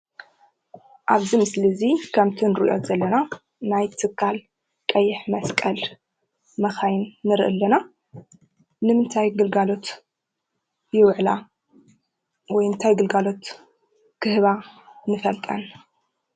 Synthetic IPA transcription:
ʔaβzimɨslizikʰɐmt̪ʰɨnɾʔo̞̰t̪zɐlːɐna | najt̪ʰɨkʰːal | kʼɐjːɪħmɐskʼɐl | mɐxajnːɨɾɨʔɨ̰lːɐna | nɨmɨnt̪ʰajɡɨlɡalo̞t̪ | jɪwʕla | wɔjɨnt̪ʰajɡɨlɡalo̞t̪ | kʰɨhɨβanɨfɐlt̪ʼɐn

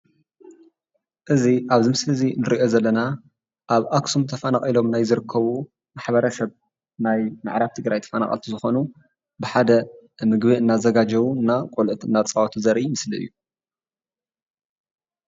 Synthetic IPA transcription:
ʔɨziʔaβzɨmɨslɨzinɨɾiʔo̞zɐlːɐna | ʔaβʔaksumt̪ʰɐfɐnaχʼilo̞mnajzɨɾɨkʰːɐβu | maħβɐɾɐsɐβ | najma̰ʕɾaβt̪ʰɨɡɾajt̪ʰɐ̥fɐna̰χʼɐ̰lt̪ʰizɨxo̞nu | bɨħad̪ɐmɨɡbiɨnːazɐɡad͡ʒɐβuɨnːakʼolʔɨt̪ɨnːat͡sʼɐwat̪ʰuzɐɾimɨsliʔɨ̰jːu

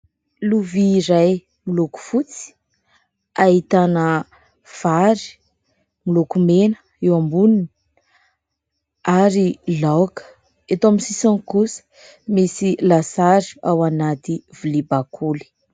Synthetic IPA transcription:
luviːɾaj | miluku̥fut͡si̥ | aɦit̪anə | v̥aɾi̥ | milukumenə̥ | ewambunini̥ | aɾilawkə̥ | et̪oamisisaŋkusə̥ | misilasaɾiawanat̪ivulibakʰuli̥

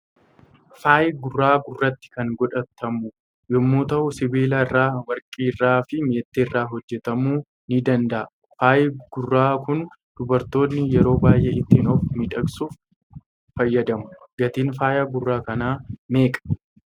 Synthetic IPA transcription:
faːjɪɡʊrːaːɡʊrːɐt̪ːɪ̥kɐŋɡɔᶑɐt̪ːɐmʊ | jɔmːoːt̪ɐʔʊsɪbiːlɐɪrːaːwɐɾkʼiːrːaːfɪmeːt̪ːeːrːaːɦɔd͡ʒːɛt̪ɐmuː | nɪd̪ɐnd̪ɐʔɐ | faːjɡ̥ʊrːaːkʊn | d̪̥ʊbɐɾt̪o̞ːnːɪjɛɾo̞ːbaːjʔɛːɪt̪ːɪnoːfmɪᶑɐksuːfː | ɐjːɐd̪ɐmʊ̥ɡɐt̪iːnfaːjɐɡʊrːaːkɐnaːme̞ːkʼɐ̥

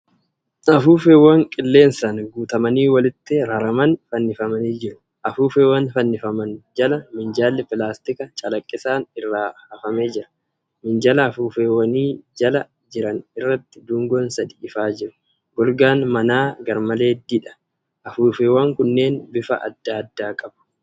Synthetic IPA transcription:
ɐfuːfeːwɐŋkʼɪlːe̞ːnsɐnɡuːt̪ɐmɐniːwɐlɪt̪ːɪɾɐɾɐmɐnfɐnːɪfɐmɐniːd͡ʒɪɾʊ̥ | ʔɐfuːfeːwɐnfɐnːɪfɐmɐnd͡ʒɐlɐmɪnd͡ʒaːlːɪpɪlaːst̪ɪkɐt͡ʃʼɐlɐkʼːɪsaːnɪrːaːhɐfɐmeːd͡ʒɪɾɐ̥ | mɪnd͡ʒɐlɐːfuːfeːwːɐniːd͡ʒɐlɐ | d͡ʒɪɾɐnɪrːɐt̪ːɪd̪ʊŋɡɔnsɐd̪iɪfaːd͡ʒɪɾʊ̥ | ɡ̥ɔlɡaːnmɐnaːɡɐɾmɐle̞ːd̪ɪᶑɐ̥ | ʔɐfuːfeːwɐŋkʊnːe̞ːnbɪfɐ̰ʔɐ̰d̪ːaːd̪ːaːkʼɐbɐ̥

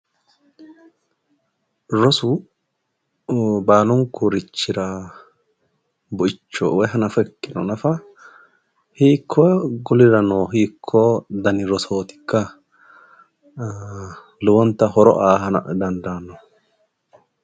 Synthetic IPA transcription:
ɾɔsʊ | baːlʊŋkːʊɾɪt͡ʃːɪɾa | bʊɪt͡ʃːo̰wɛjɦɐnɐfɐɛkːɪnɔnɐfɐ | hiːkʰːɔɡʊlɪɾɐnoːɦiːkʰːɔd̪ɐnɪɾɔsoːt̪ɪ̥kːɐ | lʊwɔnt̪ːɐɦɔɾɔ̰ʔaːɦɐnɐ̰d̪ɐnd̪aːnːɔ

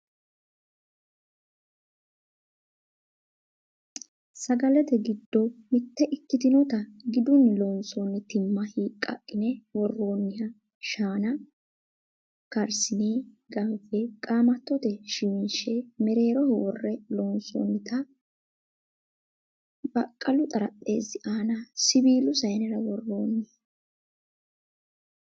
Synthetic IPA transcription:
sɐɡɐlɛt̪ɛɡɪd̪ːɔmɪt̪ːɛʔɪkːɪt̪ɪnɔt̪ɐɡɪd̪ʊnːɪloːnsoːnːɪt̪ɪmːɐhiːkʼːɐ̰kʼːɪnɛwɔrːo̞ːnːɪhɐ | ʃaːnɐ | kɐɾsɪneː | ɡɐmfɛkʼaːmɐt̪ːɔt̪ɛʃimnʃɛmɛɾe̞ːɾɔhwɔrːɛloːnso̰ːnːɪt̪ɐ | bɐkʼːɐlʊt̪ʼɐɾɐtʼːe̞ːzɪʔaːnɐsɪbiːlʊsɐjnɛɾɐwɔrːo̞ːnːɪhɐ

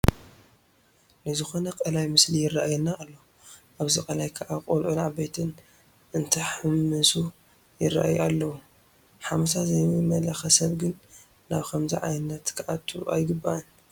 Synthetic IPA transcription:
lɨzɨxo̞nɐkʼɐlajmɨslijɪrːaʔajɛnːaːlːo | ʔaβzikʼɐlajkʰɐʔakʼolʔunaʕabet̪ʰɨn | ʔɨnt̪ʰɐħɨmːɨsu | jɪrːa̰ʔajalːɐwu | ħamsazɐjɨmɐlɐxɐsɐβɡɨnː | aβkʰɐmzḭʕa̰jnːɐt̪kʰɨʔat̪ʰːṵʔa̰jɡɨbːaʔɐn

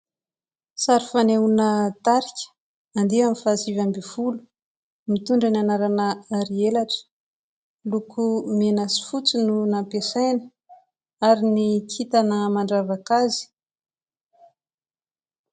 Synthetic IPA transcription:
saɾifaneunət̪aɾikʲə̥ | and̪iamifasivambivulu̥ | mit̪uɳɖ͡ʐananaɾanəaɾielaʈ͡ʂə̥ | lukʰumenasi̥fut͡sinunampesajnə | aɾinikʰit̪anəmaɳɖ͡ʐavakazi̥

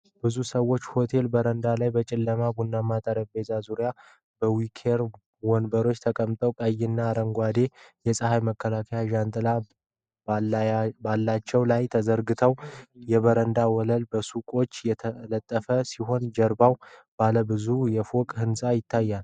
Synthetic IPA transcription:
b̥ɨzusəwːo̞t͡ʃːho̞t̪ʰe̞lbəɾənd̪alajbət͡ʃʼɪlːəmabunːamat̪ʼəɾəbbe̞zazuɾja | b̥əwikʰeɾ | wɔnbəɾo̞t͡ʃːt̪ʰəkʼəmt̪ʼəwkʼəjɪnːaːɾəŋɡʷwad̪e̞jɛsʼəɦajməkːəlakʰəjaʒant̪ʼɨla | balːat͡ʃːɛwlajt̪ʰəzəɾɡɨt̪ʰəwjɛβəɾənd̪awɔləlbəsukʼo̞t͡ʃːjɛələt̪ʼːəfəsiɦo̞nd͡ʒəɾbawb̥aləbɨzujɛfokʼhɨnsʼajɪt̪ʰːajːal

